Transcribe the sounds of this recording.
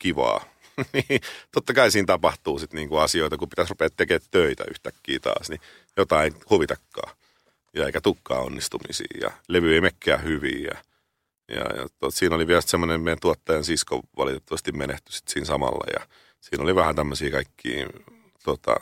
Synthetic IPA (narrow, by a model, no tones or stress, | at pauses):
kiʋɑ̰ː | niːt̪ot̪ːɑkɑisiːnt̪ɑpɑht̪uːsit̪niːŋkuɑsioit̪ɑkupit̪æsrupeːt̪t̪ekeːt̪t̪øit̪æ̰yht̪ækːiːt̪ɑ̰ːsni | jot̪ɑinhuʋit̪ɑkːɑ̰ː | jɑeikæt̪ukːɑ̰ːonːist̪umḭsḭːjɑ̰leʋyeimekːæːhyʋḭːjɑ̰ | jɑ̰jɑ̰t̪uot̪siːnoliʋiælsit̪semːonemment̪uɑt̪ːɑjɑnsisko̰ʋɑ̰lit̪et̪ːɑʋɑst̪immeneht̪y̥si̥t̪siːnsɑmɑ̰lːɑ̰jɑ̰ | siːnoliʋæhænt̪æmːøsiːkɑikːḭː | t̪ot̪ɑ̰